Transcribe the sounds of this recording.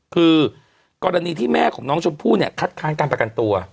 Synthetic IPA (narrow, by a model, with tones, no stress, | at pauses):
kʰɯː˧ | kɔː˧ɾa˧niː˧t̪ʰiː˥˩mɛː˥˩kʰɔː˩˦ŋnɔː˦˥ŋt͡ɕʰo˧npʰuː˥˩ni˥˩ɐkʰa˦˥t̪̚kʰaː˦˥nkaː˧npɾa˧ka˧nt̪u˧ɐ